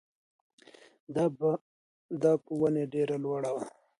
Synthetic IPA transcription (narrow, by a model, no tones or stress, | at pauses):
d̪ab | d̪akuwɐneɖeɾalwaɽawa